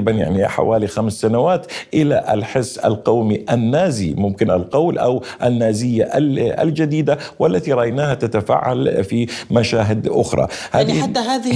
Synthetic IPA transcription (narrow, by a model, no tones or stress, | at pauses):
banja̰ʕniħa̰waːlixamsːanawaːt̪ʔɪlaʔa̰lħɪsːa̰lqɑwmiʔanːaːzimʊmkɪna̰lqɑwlʔawʔanːaːzɪjːaʔalʔa̰ld͡ʒad̪iːd̪awalːat̪iɾˤɑʔajnaːhat̪at̪afa̰ːʕa̰lfimaʃaːɦɪd̪ʔʊ̰xɾˤɑ̰haːad̪ːɦaːðɪ